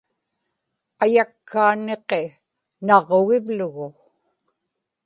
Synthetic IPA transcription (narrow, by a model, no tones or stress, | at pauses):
ajakʰːaːne̞qe̞ | nɑʁoɣɪvlʊɣʊ